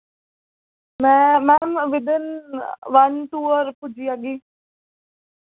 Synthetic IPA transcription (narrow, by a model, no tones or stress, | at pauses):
mɛmɛmʋɪd̪ənʋanʈ̪uːəɾpud͡ʒijaɡi